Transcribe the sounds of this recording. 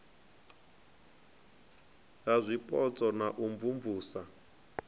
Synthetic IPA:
azʷipʼɔt͡sʼɔnaʔumvumvuːsa

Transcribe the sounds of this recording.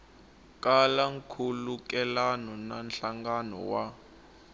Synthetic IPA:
kʼalaŋkʰulukɛlanɔnanɬaŋɡanɔ̰wa

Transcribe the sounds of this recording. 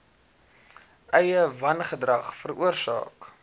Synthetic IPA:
ʔɛjəvɐnχədrɐχfəruərsɑ̰ːk

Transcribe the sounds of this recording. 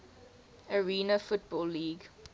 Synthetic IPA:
əɹiːnəfʊt̚bɔːlːiːɡ

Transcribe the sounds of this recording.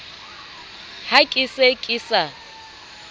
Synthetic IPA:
hakʼisekʼisa

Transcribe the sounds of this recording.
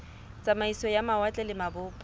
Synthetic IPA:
t͡sʼamaisɔjamawat͡ɬʼɛlɪmabʊːpʼ

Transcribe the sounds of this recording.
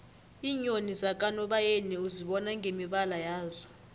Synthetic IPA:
iːɲonizak̬ʼanɔɓajeniuziɓɔnaŋɡʱemiɓalajaːzɔ

